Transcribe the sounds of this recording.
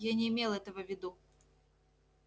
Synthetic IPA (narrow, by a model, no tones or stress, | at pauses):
janʲɛimʲelˠɛt̪ɐvɐvʲɪd̪u